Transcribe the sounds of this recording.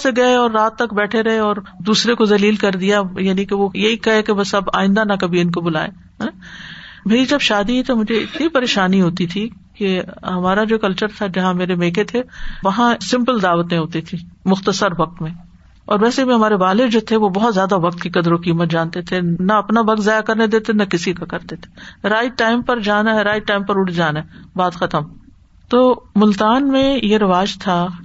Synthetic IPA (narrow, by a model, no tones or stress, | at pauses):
seɡɐeɔːɾːaːt̪ːɐkbɛːʈʰeɾɐɦeɔːɾd̪uːsɾekozɐliːlkɐɾd̪ijajaːnikeʋojɐɦikɐɦekebɐsɐba̰ːɪ̃nd̪anɐkɐbʱiɪnkobʊla̰ːḛ | ɦɛ̃ | bʱɐid͡ʒɐbʃaːd̪iɦit̪omʊd͡ʒʱeɪt̪nipɐɾeːʃaːniɦoːt̪it̪ʰi | keɦɐmaːɾad͡ʒoːkɐlt͡ʃəɾt̪ʰad͡ʒɐɦãmeːɾemẽːkʰet̪ʰeʋɐɦãsɪ̃mpəld̪aːʋət̪ẽɦoːt̪it̪ʰiːmʊxt̪əsəɾʋɐk̚t̪mẽ | ɔːɾʋɛːsebʱĩɦɐmaːɾebaːled͡ʒoːt̪ʰeʋobɔɦɔt̪zjaːd̪aʋɐk̚t̪kikɐd̪ɾokiːmət̪̚d͡ʒaːnt̪et̪ʰenɐɐpnabɐɡ̪zaːjakɐɾned̪eːt̪enɐkɪsikakɐɾt̪et̪ʰe̥ɾaːiʈaːɪmpɐɾd͡ʒaːnaɦɛɾaːɪʈaːɪmpɐɾʊʈʰd͡ʒaːnaɦɛbaːd̪xɐt̪əm | t̪oːmʊlt̪aːnmẽjeɾɐʋaːd͡ʒt̪ʰa